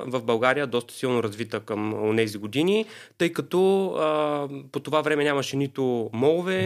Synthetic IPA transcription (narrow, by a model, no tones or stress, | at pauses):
vɐvbɐlˠɡaɾijəd̪ɔst̪ə̥silˠnoɾɐzvit̪əkɐmonɛziɡod̪inʲit̪ɤjkɐt̪ɔəpot̪ovavɾɛmɛnʲamɐʃɛnit̪ʊmɔlˠvɛ